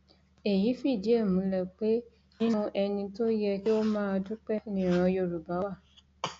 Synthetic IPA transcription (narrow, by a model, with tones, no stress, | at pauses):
e˨ji˨˦fi˦˨d͡ʒi˨˦e˦˨mũ˨˦lɛ˨k͡pe˦ | nĩ˦nũ˦ʔɛ˧nĩ˧to˦jɛ˧ki˦o˦mãː˦˧du˦k͡pɛ˦nĩ˦˨ɾ̃ã˧jo˦˨ɾu˨ba˨˦wa˦˨